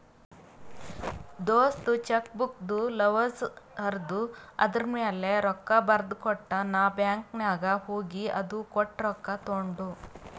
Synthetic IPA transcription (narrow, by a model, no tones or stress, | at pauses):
d̪oːst̪ut͡ʃɐkbuk̚d̪ulɐʋɐsɐɾd̪uɐ̰d̪ɐɾmeːle̞ɾɔkːɐbɐɾd̪kɔʈːɐnaːbjaːŋknaːɡɐhoːɡiɐ̰d̪ukɔʈːɾɔkːɐt̪oɳɖu